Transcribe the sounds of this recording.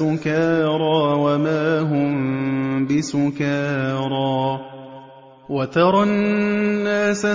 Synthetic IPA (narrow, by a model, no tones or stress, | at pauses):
ʊkaːɾˤɑːwamaːɦʊmbɪsʊkaːɾˤɑː | wat̪ɑɾˤɑː | aːsa